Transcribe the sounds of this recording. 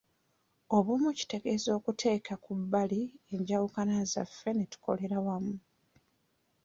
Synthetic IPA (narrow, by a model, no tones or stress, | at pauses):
oβomuci̥te̞ɡe̞zo̞ːkutʰe̞ːkakubːalieɲɟawukanaza̰fːe̞netu̥kʰo̞̰le̞ɾawamu